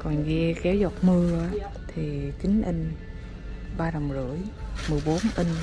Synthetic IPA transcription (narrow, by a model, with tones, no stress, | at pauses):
kɔ˨˩nɣɛ˧kɛ˨˦wzɔ˨˩t̚mɨ˧əa˨˦ | t̪ʰi˨˩t͡ɕï˨˦ŋ̟ʔə˧ŋ̟ | ɓaː˧ɗɔ˨˩wm˩zɨ̰˧˩əjmɨ˨˩əjɓo˨˦nʔə˧ŋ̟